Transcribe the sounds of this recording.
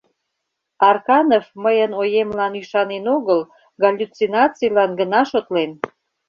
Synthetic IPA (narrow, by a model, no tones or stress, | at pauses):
ɑrkɑnefməjənojemlɑnyʃɑnenoɣəl | ɡɑlʲːut͡sinɑt͡sijlɑnɡənɑʃot̪len